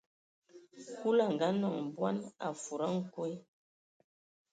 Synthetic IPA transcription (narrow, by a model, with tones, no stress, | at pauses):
hu˦la˦˨ŋ˨ɡa˦nɔ˦˨ŋ˨bwa˦na̰˨fu˨ɾa˦ŋ̩˦kɔ˦j